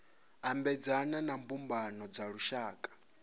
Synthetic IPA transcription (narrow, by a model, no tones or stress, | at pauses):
ambɛd͡zananambumbanɔd͡zaɺuʃaːkʼḁ